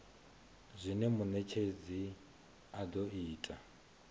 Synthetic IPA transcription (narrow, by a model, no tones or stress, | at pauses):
zʷinɛmunɛt͡ʃʰed͡zi | ad̪oiːtʼa